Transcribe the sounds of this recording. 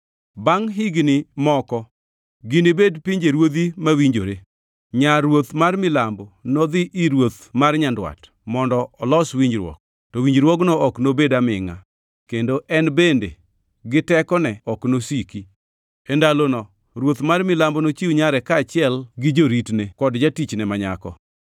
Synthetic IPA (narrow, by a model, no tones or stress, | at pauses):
baŋɦɪɡnimɔkɔ | ɡɪnibedpiɲd͡ʒeɾwod̪imawiɲd͡ʒoɾe | ɲaɾwot̪marmɪlambɔnɔd̪ɪʔiɾwot̪marɲandwa̰t | mɔndɔːlɔswiɲd͡ʒɾwɔ̰k̚ | tɔwiɲd͡ʒɾwɔknɔɔknobedamɪ̰ŋa̰ | kendoʔɛnbendḛ | ɡɪtɛkɔnɛɔknosiki | endalonɔ | ɾwot̪marmɪlambɔnot͡ʃiwɲaɾɛkaːt͡ʃɪɛlɡɪd͡ʒoɾitnekɔdd͡ʒatit͡ʃnɛmaɲa̰kɔ̰